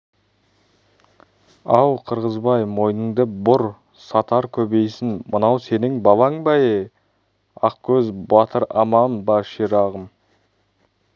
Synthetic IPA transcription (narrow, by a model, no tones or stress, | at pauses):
ɑwqʰəɾʁəzbɑjmo̞jnəŋd̪əbʊɾ | sɑt̪ɑɾkʲʰɵbe̞jsɪnmənɑwse̞nɪŋbɑbˠɑŋbɑje | ɑq̚kʲʰɵzbɑt̪ʰəɾɑmɑmbɑʃiɾɑʁəm